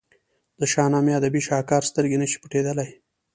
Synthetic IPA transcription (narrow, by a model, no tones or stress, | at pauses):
d̪̥əʃɑːnɑmead̪abiʃɑːkɑːɾst̪əɾɡenəʃi̥pəʈed̪əlaj